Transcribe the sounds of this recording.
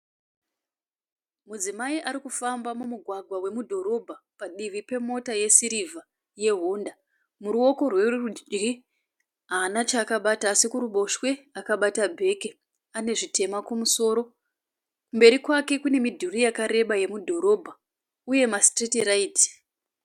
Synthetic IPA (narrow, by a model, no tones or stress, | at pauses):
mud͡zimaiʔaɾikufambamumuɡʱwaɡʱwawe̞mudʱo̞ɾo̞bʱapaɗiʋipe̞mo̞taje̞siɾiva | je̞ɦunda | muɾuo̞ko̞rwe̞rud͡ʒd͡ʒɡi | ɦaːnat͡ʃaːkaɓataːsikuɾuɓo̞ʃwe̞akaɓatabʱe̞ke | ane̞ʐite̞makumuso̞ːɾo̞ | kumbe̞ɾikwake̞kune̞midʱurijakaɾe̞ɓaje̞mudʱo̞ɾo̞bʱa | uje̞mastretirait